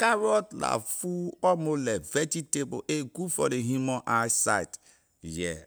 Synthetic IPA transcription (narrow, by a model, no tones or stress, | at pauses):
kaɾɔtla̰fuɔmolɛvɛtitebo̰ʔeɡufɔdeɦjumɔ̃ʔajsa̰jt | jɛ̰